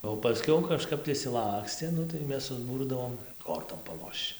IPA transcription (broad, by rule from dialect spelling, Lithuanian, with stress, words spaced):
oː pɐˈsʲkʲɛʊ kɐˈʃkɐp tɐɪ ɪʃʲsʲɪˈlˠɑːksʲtʲeː ˈnʊ tɐɪ ˈmʲɛs sʊzˈbuːrdɐʋoːm ˈkoːrtoːm pɐˈlˠoːʃt͡ʃ